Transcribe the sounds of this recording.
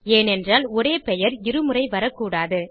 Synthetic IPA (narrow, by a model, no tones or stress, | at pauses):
eːnɛndraːlɔɾeːpɛjɐɾɪɾɯmɯrɐɪʋɐɾɐkːuːɽaːðɯ